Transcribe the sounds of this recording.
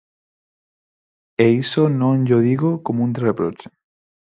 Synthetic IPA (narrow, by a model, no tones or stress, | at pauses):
eisonõnʎoðiɣokomũnd̪repɾo̰t͡ʃe̥